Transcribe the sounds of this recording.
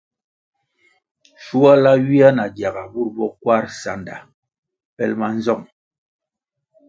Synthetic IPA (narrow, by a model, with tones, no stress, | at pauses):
ʃu˦a˦la˦ɥi˦a˦na˨dja˨ɣa˨bu˦˨ɾbɔ˦kwa˦˨ɾsa˨nda̰˨ | pɛ˦lma˦n˦zɔ˦˨ŋ